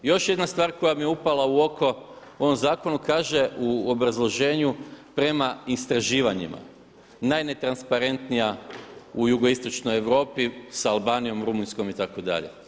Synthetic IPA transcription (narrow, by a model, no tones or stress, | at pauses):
jo̞ʃje̞d̪nast̪ʋaːɾko̞jamijeupalauo̞kʰo̞ | o̞ʋo̞mzaːko̞nukaːʒe̞uobɾazlˠo̞ʒe̞ːɲupɾe̞maist̪ɾaʒiːʋaɲḭma̰ | najne̞t̪ɾanspaɾe̞nt̪nijaujuɡo̞ist̪o̞t͡ʃnoje̞ʋɾo̞ːpisaalˠbaːnijo̞mɾumunsko̞mit̪ako̞d̪a̰ʎḛ